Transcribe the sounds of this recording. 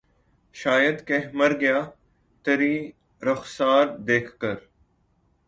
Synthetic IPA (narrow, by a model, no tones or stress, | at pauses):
ʃaːjəd̪keɦməɾɡɪjaː | t̪əɾiː | ɾəxsaːɾd̪eːkʰkəɾ